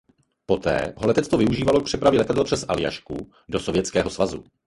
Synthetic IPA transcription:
po̞t̪ɛ̰ːɦolɛt̪ɛt͡st̪ovɪuʒiːvalok̚pr̝̥ɛpɾavjɛlɛt̪adɛlpr̥ɛsʔalɪja̰ʃkṵ | do̞sovjɛt͡skɛːɦo̞svazṵ

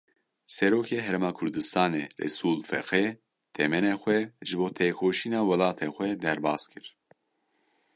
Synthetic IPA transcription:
sɛɾoːkʰeːɦɛɾeːmɑːkʰʊɾd̪ɨst̪ɑːneːrɛ̰suːlfɛ̰xɛ | t̪ʰɛmɛneːxʷɛʒɨboːt̪ʰeːkʰoːʃiːnɑːwɛlɑːt̪ʰeːxʷɛd̪ɛɾbɑːskʰɨɾ

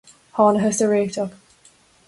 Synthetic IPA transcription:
hɑːnəɦəstəɹeːk̚tʰʌp

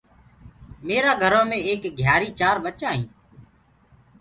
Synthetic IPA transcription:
meːɾaːɡʱəɾõːmẽːeːkɡʱjaːɾiːt͡ʃaːɾbət͡ʃãːɦĩː

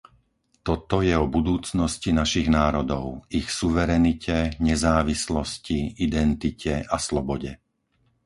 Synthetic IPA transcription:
t̪ɔt̪ɔjɛɔbud̪uːt͡snɔscinaʃiɣnaːɾɔd̪ɔʊixsuʋɛɾɛnicɛɲɛzaːʋislɔsciid̪ɛnt̪icʰɛʔaslɔbɔɟɛ

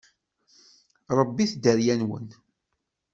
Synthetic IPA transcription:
ɾˤəbːiθd̪əɾjænwə̰n

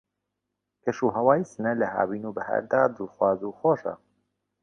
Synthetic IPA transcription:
kɛʃuːɦɛwaːjisɨnɛlɛha̰ːbiːnuːbəhɛ̰ɾd̪aːd̪ɨlxwaːzuːxoːʃa̰

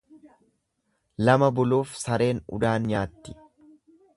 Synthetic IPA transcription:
lɐmɐbʊluːfsɐɾe̞ːnʊ̰d̪aːnɲaːt̪ːɪ̥

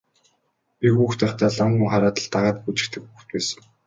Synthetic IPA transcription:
pʲixuːxt̪æːχt̪ʰæːɮaŋɡŭŋχaɾaːt̪ə̆ɮt̪aʁaːt̪̚xut͡ɕɪ̆k̚t̪ʰɘ̆kxuːxt̪̚pæːsə̥̆ŋ

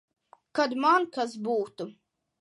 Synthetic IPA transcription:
kad̪mankasbuːt̪u

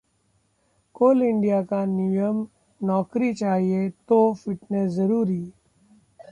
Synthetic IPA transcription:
koːlɪ̃ɳɖijakanijəm | nɔːkɾit͡ʃaːɦiet̪ofɪʈnezɐɾuːɾiː

